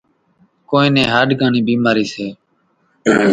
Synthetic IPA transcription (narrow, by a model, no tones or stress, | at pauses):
koːĩːnẽːɦaːɖɡaːɳiːbiːmaːɾiːseː